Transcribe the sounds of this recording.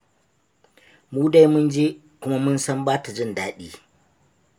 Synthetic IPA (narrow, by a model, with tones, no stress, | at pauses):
muː˦da˦jmʊ˦nd͡ʒeː˦ | kʷʊ˦ma˦mʊ˦nsɐ˦mbaː˦ta˨d͡ʒɪ˦˨ndaː˦ɗiː˦